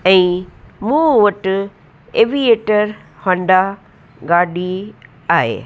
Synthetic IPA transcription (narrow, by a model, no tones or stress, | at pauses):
ɛ̃ːmũːʋɐʈ | eːʋieːʈəɾ | hɐ̃ɳɖa | ɡaːɗi | aːɦḛː